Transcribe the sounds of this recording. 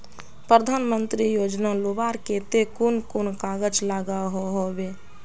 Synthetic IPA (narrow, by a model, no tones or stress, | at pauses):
pɾəd̪ʱaːnmənt̪ɾijoːd͡ʒnalobaɾket̪ekunkʊnkaɡəd͡ʒlaɡaɦoɦobe